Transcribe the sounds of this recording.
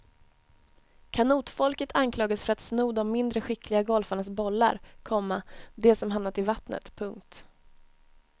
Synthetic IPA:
kʰanuːt̪fɔlkət̪ʰankʰlɑːɡad̪sfœɾat̪snuːd̪ɔmːɪnd̪ɾəɧɪklɪɡaɡɔlfaɳasbɔlːa̰ɾkʰɔmːad̪ɛsɔmɦamnat̪ɪlvat̪nə̰t̪pʰɵŋk̚t̪

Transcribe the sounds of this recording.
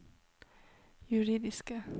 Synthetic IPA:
jʉɾiːd̪ɪskə

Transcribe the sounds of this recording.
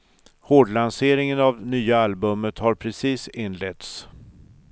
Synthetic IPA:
hoːɖlanseːɾɪŋənavd̪ɛnyːaalbɵmət̪haɾpʰɾɛsiːsɪnːlɛt̪s

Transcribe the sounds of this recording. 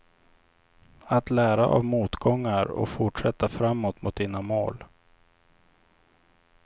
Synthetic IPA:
at̪læːɾaʔa̰vmuːt̪ɡɔŋːaɾɔ̰kfʊʈʂɛt̪ːafɾamːoːt̪mʊt̪̚d̪ɪnamoːl

